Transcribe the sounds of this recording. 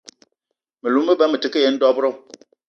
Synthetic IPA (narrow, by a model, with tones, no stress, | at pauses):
mɨ˨lu˨˦m̩ː˦ə˦bɛ˦mɨ˨tɨ˨kə˦je˨˦n̩˦dɔ˦bɾɔ˦˨